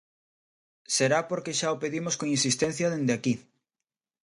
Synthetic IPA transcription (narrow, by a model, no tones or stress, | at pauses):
seɾapoɾkeʃaopeðimoskoŋinsist̪en̟θjɐðend̪eaki